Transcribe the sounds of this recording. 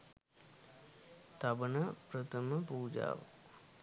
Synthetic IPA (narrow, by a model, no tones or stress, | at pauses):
t̪ɐbɐnɐpɾət̪ʰəməpuːd͡ʒa̰ːʋ̰